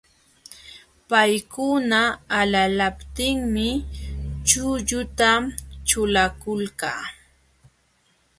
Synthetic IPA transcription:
pajkʊnaːlalapt̪ɪŋmɪ | t͡ʃʊʎʊt̪amt͡ʃʊlakʊlka̰ː

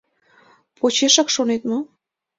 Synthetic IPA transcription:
pʰot͡ɕeʃɑkʃonet̪mo

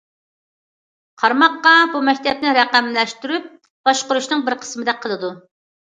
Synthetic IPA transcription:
qʰɑɾmɑqːɑbumɛk̚ʲt̪ʰɛp̚nɪɾɛqæmlɛʃt̪yɾyp̚ | b̥ɑʃqʊɾuʃnɨŋbɪɾqʰə̥smɨd̪ɛqʰəlˠɨd̪u

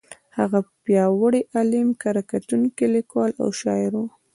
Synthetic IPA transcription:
haɣapjɑwəɽeʔalɪmkaɾakat̪uŋkelɪkwɑla̰wʃɑjɾo

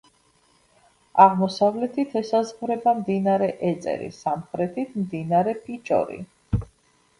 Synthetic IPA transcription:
aʁmɔsavlɛt̪ʰit̪ʰɛsazʁvɾɛbamd̪inaɾɛʔɛt̪sʼɛ̰ɾḭsamχɾɛt̪ʰit̪ʰmd̪inaɾɛpʰit͡ʃʼɔ̰ɾḭ

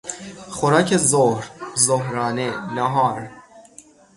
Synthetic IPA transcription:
xoɾɑːcʰezohɾzoɦɾɑːnenɒɦɒːɾ

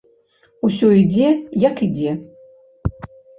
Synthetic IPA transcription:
usoidejaqʰide

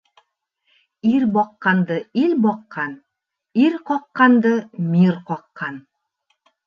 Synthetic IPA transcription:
iɾbɒqːɑnd̪ɤilʲbɒqːɑn | iɾqɒqːɑnd̪ɤmiɾqɒqːɑn

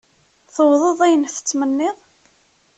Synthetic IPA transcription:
θəwðˤəðˤæjənθə̥t͡sːmənːɪðˤ

